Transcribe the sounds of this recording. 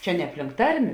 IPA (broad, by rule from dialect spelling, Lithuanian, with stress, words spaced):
ˈt͡ʃʲɛ nʲɛ ɐpʲˈlʲɪŋk ˈtɐrʲmʲeː